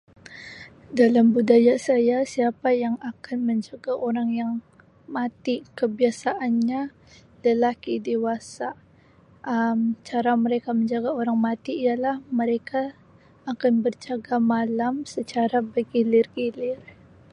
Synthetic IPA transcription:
dalambudajasajasiapajaŋakanməɲd͡ʒaɡaʔoɾaŋjaŋ | mat̪ikəbiasaʔanɲa | dalahkidewasa | ʔəmt͡ʃaɾaməɾekaməɲd͡ʒaɡaoɾaŋmat̪iːjalahməɾekʰaː | kanbərd͡ʒaɡamalamsət͡ʃaɾabəɡilirɡilɪr

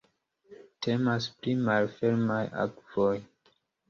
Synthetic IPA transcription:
tʰe̞masplimalfe̞ɾmaja̰kv̥oj

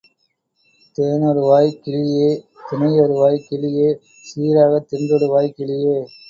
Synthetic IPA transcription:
t̪eːnɔɾɯʋaːjkːɪɭɪjeː | t̪ɪnɐjɔɾɯʋaːjkɪɭɪjeː | siːɾaːɣɐt̪ɪnd̪ɔɽɯʋaːjkɪɭɪjeː

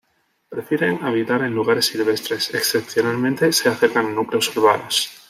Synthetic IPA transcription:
pɾefjeɾeŋaβ̞it̪aɾẽ̞nluɣ̞aɾe̞sːilβ̞e̞st̪ɾe̞seksθepθjo̞nalmẽnt̪e̞se̞aθe̞ɾkaŋnukleosuɾβ̞anos

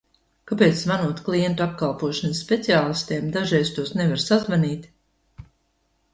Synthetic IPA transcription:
kapeːt̪svanuɔt̪klˠiɛnt̪ap̚kalˠpuɔʃansːpʲet̪siaːlˠist̪eːmd̪aʒɛjst̪uɔsnevaɾsazvaniːt̪ʲ

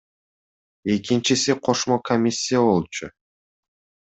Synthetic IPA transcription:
e̞kʲint͡ʃisiqʰo̞ʃmokʰomʲisʲːijabo̞lˠt͡ʃʊ̰

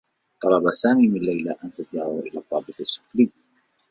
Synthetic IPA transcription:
t̪ˤɑlɑbasaːmiːmɪnlːajlaʔant̪ad̪̚d̪aʕaʔɪlaːt̪ˤːɑːbɨqasːʊ̥fliː

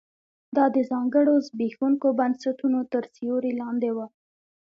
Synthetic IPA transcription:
d̪ɑd̪əzɑŋɡəɽozbixuŋkobansaʈunot̪əɾsijoɾilɑnd̪ewa

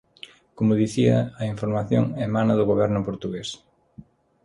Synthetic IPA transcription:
komʊðiθiɐɐiɱfoɾmaθjoŋemanɐðʊɣoβɛɾnʊpoɾt̪uɣes

